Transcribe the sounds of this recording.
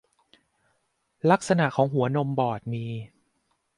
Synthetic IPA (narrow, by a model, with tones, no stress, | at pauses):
la˦˥k̚sa˧na˨˩ʔkʰɔː˩˦ŋɦu˩˦ɐno˧mbɔː˨˩t̪̚miː˧